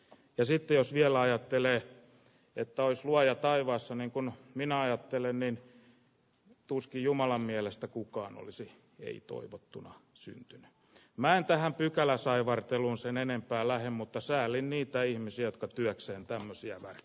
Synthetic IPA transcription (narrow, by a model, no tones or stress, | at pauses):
jɑsit̪ːejosʋiælæɑjɑt̪ːeleː | et̪ːæoisluɑjɑt̪ɑiʋɑːsːɑniŋkunminæɑjɑt̪ːelennin | t̪uskijumɑlɑmmiælest̪ækukɑːno̰lisi | ḛit̪o̰iʋot̪ːunɑ̰ | sy̰nt̪yny̥ | mæent̪æhæmpykælæsɑiʋɑrt̪eluːnsenenempæːlæhemmut̪ːɑsæːlːinniːt̪æihmisiæjot̪̚kɑt̪yækseːnt̪æmːøsiæ̰ʋær